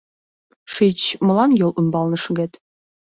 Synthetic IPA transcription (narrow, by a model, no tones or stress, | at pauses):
ʂit͡ɕmɤ̆lˠɑnjolˠʔunbɑlˠnɤʃɤ̆ɡet̪ʲ